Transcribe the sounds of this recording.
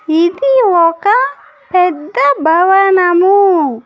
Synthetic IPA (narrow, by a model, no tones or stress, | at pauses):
it̪iwɔka | pɛd̪abawanamu